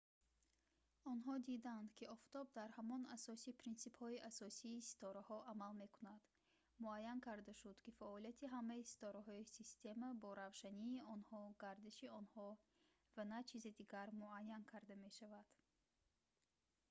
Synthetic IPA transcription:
ɔnɦɔd̪id̪and̪kʰiɔft̪ɔb̚d̪aɾhamɔnasɔsipʰɾinsibhɔiʔasɔsiːsi̥t̪ʰɔɾahɔʔamalme̞kunad̪̥ | muajːankʰaɾd̪aʃud̪kifaɔlijat̪ʰiɦamːaisi̥t̪ʰɔɾaɦɔisist̪e̞mabɔɾavʃaniːɔnhɔɡaɾd̪iʃiɔnhɔ | vanat͡ʃʰized̪iɡaɾmuajːankʰaɾd̪ame̞ʃavad̪̥

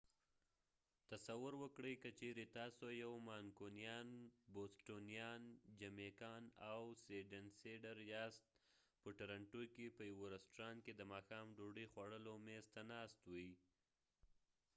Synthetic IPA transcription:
t̪asawʊɾwəkɽəjkət͡ʃeɾet̪ɑsojawmɑnkonijɑnbosʈonijɑnd͡ʒamekɑnawseɖanseɖaɾjɑst̪̚ | pəʈaɾaɳʈukepəjawoɾɪsʈɾɑnked̪əmɑxɑmɖoɖəjxwaɽəlomest̪anɑst̪wii

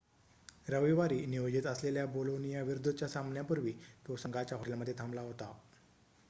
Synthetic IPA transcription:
ɾəʋiʋaɾiːniʋod͡ʑit̪əsleljabolonijaʋiɾud̪ʱət͡ɕjasamnjapəɾʋiːt̪osəŋɡat͡ɕjaɦoʈljaməd̪ʱːjet̪ʰamlaɦot̪a

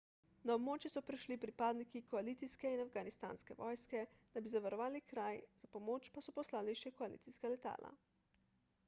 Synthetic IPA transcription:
naɔbmoːt͡ʃjɛsɔpɾɛʃlipɾipaːd̪nikikɔaliːt̪siskɛinafɡanist̪a̰ːnskɛʋɔjskɛd̪̥abizaʋaɾɔʋaːlikɾajz̥apɔmoːt͡ʃpasɔpɔslaːliʃɛkɔalḭt̪siskalɛt̪a̰ːlʔa̰

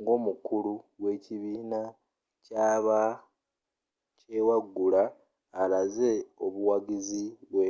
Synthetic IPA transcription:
ŋɡo̞ːmukuluɡwe̞ːciβiːna | caːβa | cewaɡːulaː | laze̞o̞βuwaɡiziβwe

